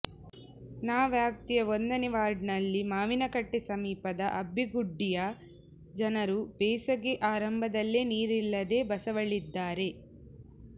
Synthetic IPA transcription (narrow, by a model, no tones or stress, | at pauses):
naːʋjaːp̚t̪ijɐʋond̪ɐniʋaːɾɖnɐlːimaːʋinɐkɐʈːisɐmiːpɐd̪ɐʔɐbiɡuɖːijɐ | d͡ʒɐnɐɾubɛːsɐɡeʔaːɾɐmbʱɐd̪ɐlːeːniːɾilːɐd̪e̞ːbɐsɐʋɐɭid̪ːaːɾe̞